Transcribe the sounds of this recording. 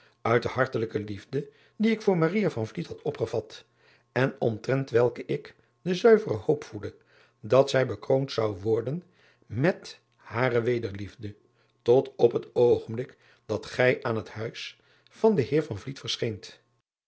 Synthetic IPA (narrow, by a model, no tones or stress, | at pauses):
œɥt̚dəɦɑɹtələkəlivdə | diɪkfʊːɹmarijavɑnvlithɑtʰɔpχəv̥ɑt | ɛnɔmtrɛntʋɛlˠkəʔɪk | dəzœɥvərəhowpfuldə | dɑtsɛjbəkrowntsɑwʋɔɹdən | mɛt | haːrəʋejdəɹlivdə | tɔtɔpɦətowχənmblɪk | d̥ɑtχɛjʔaːnɦəthœɥs | fɑndəɦɪːɹvɑnvlitfəɹsχejnt